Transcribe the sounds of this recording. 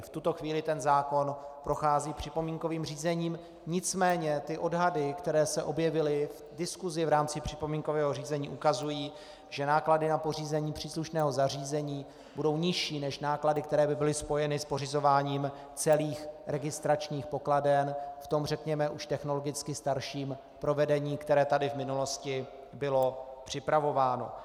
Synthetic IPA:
ft̪ut̪o̞xviːlɪt̪ɛnzaːko̞npɾo̞xaːziːpr̥ɪpo̞miːŋko̞viːmr̝iːzɛɲiːm | ɲɪt͡smɛːɲɛt̪ɪʔo̞dɦadɪkt̪ɛɾɛːsɛʔo̞bjɛvɪlɪv | dɪskuzɪvɾaːmt͡sɪpr̝̥ɪpo̞miːŋko̞vɛːɦoriːzɛɲiːʔukazujiː | ʒɛnaːkladɪnapo̞riːzɛɲiːpr̥iːsluʃnɛːɦo̞zariːzɛɲiː | budo̞wɲɪʃiːnɛʃnaːkladɪk̚t̪ɛɾɛːbɪbɪlɪspo̞jɛnɪspor̝ɪzo̞vaːɲiːm | t͡sɛliːxɾɛɡɪst̪ɾat͡ʃɲiːxpo̞kladɛnft̪o̞mrɛkɲɛmɛʔuʃt̪ɛxno̞lo̞ɡɪt͡skɪst̪aɾʃiːm | pɾo̞vɛdɛɲiːkt̪ɛɾɛːt̪adɪvmɪnulo̞scɪ | bɪlo̞pr̝̥ɪpɾavo̞vaːno̞̰

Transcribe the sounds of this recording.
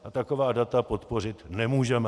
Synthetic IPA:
ʔat̪akovaːdat̪apo̞t̪po̞r̝ɪt̪nɛmuːʒɛmɛ

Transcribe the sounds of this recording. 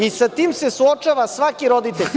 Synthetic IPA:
isat̪iːmsesuot͡ʃaʋasʋakiɾod̪it̪eʎʲ

